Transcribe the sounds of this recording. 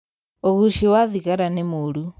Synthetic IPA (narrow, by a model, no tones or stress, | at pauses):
oɣuʃiwaðiɣaɾanemoɾu